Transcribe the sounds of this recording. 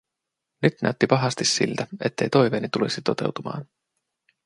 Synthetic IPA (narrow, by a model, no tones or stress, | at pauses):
nyt̪næ̰yt̪ːipɑɦɑst̪issḭlt̪æe̞t̪ːe̞jt̪o̞jʋeːnit̪ulisit̪o̞t̪e̞̰wt̪umɑ̰ːn